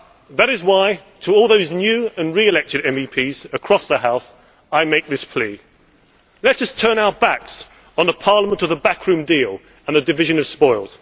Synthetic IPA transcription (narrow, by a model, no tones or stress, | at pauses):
ðəɾɪzwaɪ | tʰəɔːlˠðəʊznjʉːə̃nɹiɪlɛk̚tɨɾɛ̃mipʰiːzəkʰɹ̥ɒsðəɦaʊθ | aɪmeɪk̚ðɪspʰl̥ḭː | lɛɾʌstʰɜ̃˞ñaʊəbæks | n̩ðəpʰɑɹləmə̃ntəvðəbakʰɹʉ̃mdiːlˠ | ə̃nðədɨvɪʒɨ̃nʌv̥spɔɪlˠz̥